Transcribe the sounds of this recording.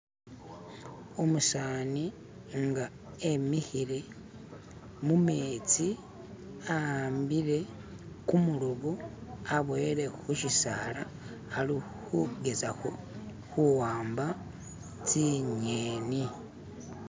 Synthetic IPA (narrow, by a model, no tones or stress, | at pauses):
omusaːni | ŋɡa | emixiɾe̞ | mumeːt͡si | aaːmbiɾe̞ | kumuɾoβuaβweɾe̞xuʃisa̰laː | li | huɡe̞zaxo | xuwaːmba | t͡siɲeːni